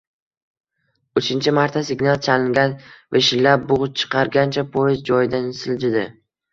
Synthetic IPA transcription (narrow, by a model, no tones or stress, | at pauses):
ʊt͡ʃʰɪnt͡ʃʰɪmaɾt̪ʰasɪɡʲnalˠt͡ʃʰalɪŋɡʲanveʃɪlːap̚bʊʁʊt͡ʃʰɨ̥qʰɑɾɡʲant͡ʃʰapʰojɪzd͡ʒɒjɪd̪ansɪld͡ʒɪd̪ɪ